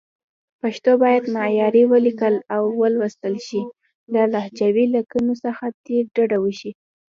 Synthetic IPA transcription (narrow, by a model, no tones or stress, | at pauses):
paʃt̪obɑjad̪nɑjɑɾiwəlikəlawːəlwəst̪əlʃi | lalahd͡ʒawilakənosəxad̪̥eɖaɖawəʃi